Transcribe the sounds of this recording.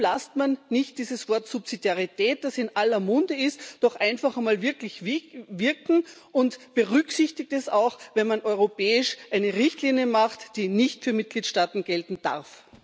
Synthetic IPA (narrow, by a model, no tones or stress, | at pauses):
lastmanːɪçt̚d̥iːzəsv̥ɔɐtsupsidjaʁitʰɛːt̚d̥asɪnʔalɐmʊndəɪstd̥ɔχʔaɪnfaχɐmaːlvɪɐklɪçvɪɐkŋ̩ʔʊntb̥əʁʏksɪçtɪk̚tɛsaʊxvɛnmanʔɔʏʁopɛːɪʃʔaɪnəʁɪçtliːnjəmaχtd̥iːnɪçtfyːɐmɪt̚ɡ̥liːtʃtaːtn̩ɡ̥ɛltn̩d̥a̰ʁf